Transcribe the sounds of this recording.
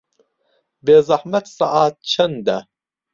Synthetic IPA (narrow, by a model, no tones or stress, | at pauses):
beːzɑħmɐt̪sɑʔaːt̪̚t͡ʃʰɐnd̪ɐ